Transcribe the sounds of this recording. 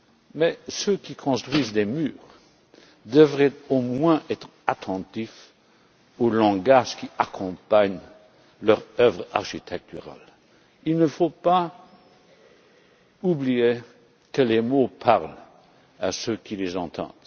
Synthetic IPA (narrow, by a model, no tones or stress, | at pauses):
mɛsøkikʰɔ̃st̪χwizd̪emyːʁ | d̪əvʁɛtomwɛ̃ʔɛt̪χ | at̪ʰɑ̃t̪if | olɑ̃ɡaʒkiakʰɔ̃paɲ | lœʁœvʁa̰ʁʃit̪ʰɛk̚t̪yʁa̰l | ilnəfopa | ublie | kəlemopʰaʁl | asøkilezɑ̰̃t̪ʰɑ̰̃d̪̥